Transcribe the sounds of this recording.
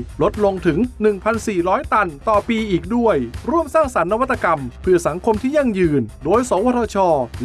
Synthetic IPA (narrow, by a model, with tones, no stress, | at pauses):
lo˦˥t̪̚lo˧ŋt̪ʰɯ˩˦ŋnɯ˨˩ŋpʰa˧nsiː˨˩ɾɔː˦˥jt̪a˧nt̪ɔː˨˩piː˧ʔiː˨˩k̚du˥˩əjɾu˥˩əmsaː˥˩ŋsa˩˦nːa˧wa˦˥t̪ːa˧ka˧mpʰɯ˥˧˩ɐsa˩˦ŋkʰo˧mt̪ʰiː˥˩ja˧˥˩ŋjɯː˨˩ndoː˧jsɔː˩˦waː˧˥ɾʰaː˧t͡ɕʰɔː˧